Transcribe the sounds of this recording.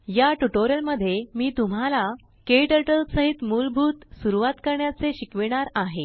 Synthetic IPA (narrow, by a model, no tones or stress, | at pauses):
jaʈuʈoɾjəlməd̪ʱːjemiːt̪um̤ala | keʈəʈəlsəɦit̪mulbʱuːt̪suɾuʋat̪kəɾɳjat͡seɕikʋiɽ̃aɾaɦe